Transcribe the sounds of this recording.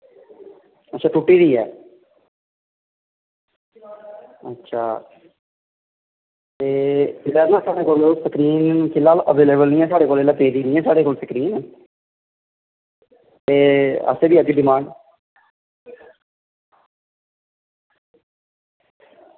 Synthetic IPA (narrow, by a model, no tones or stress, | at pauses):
ətːʃʰaːʈuʈːiːɾiːɛ̰ː | ətːʃʰaː | t̪eːɪlaːnãːsaːɽeːkoːlsəkɾiːnkɪlaːlʔəʋeːleːbəlnĩːɛːsaːɽeːkoːlelaːpeːd̪iːnĩːɛːsaːɽeːkoːlsəkɾiːn | t̪eːə̰seːbiːəɡiɖɪmãːɳɖ